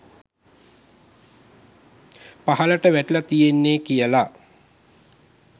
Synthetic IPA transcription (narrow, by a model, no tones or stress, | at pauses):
paɦaləʈəʋæʈilat̪ijenːeːkijəla